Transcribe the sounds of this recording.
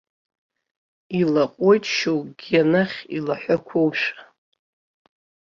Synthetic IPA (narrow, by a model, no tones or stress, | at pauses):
ilaqʼojtʰʼʃowɡʲanaχʲilaħʷakʷʰowʃʷḁ